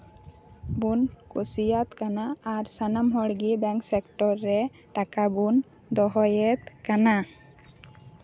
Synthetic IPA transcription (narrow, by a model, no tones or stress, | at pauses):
bunkosijat̪kanaːɾsanamɦɔɽɡibɛ̃ŋksɛkʈɔɾːɛ | ʈakabun | d̪ɔɦɔjɛt̪kana